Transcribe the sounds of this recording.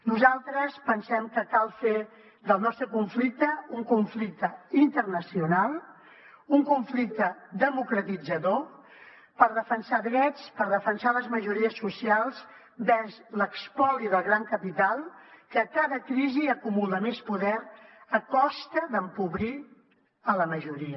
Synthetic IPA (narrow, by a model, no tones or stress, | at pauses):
nuzalˠt̪ɾəspənsɛmkəkalˠfe | ðəlˠnɔst̪ɾəkuɱflik̚t̪əuŋkuɱflik̚t̪əint̪ərnəsiunalˠ | uŋkuɱflik̚t̪əd̪əmukɾət̪id͡zəðo | pəɾðəfənsaðɾɛt͡spəɾðəfənsaləzməʒuɾiəsːusialˠs | bɛzləkspɔliðəlˠɣɾaŋkəpit̪alˠkəkaðəkɾiziəkumulˠəmespuðɛɾəkɔst̪əðəmpuβɾi | ələməʒuɾiə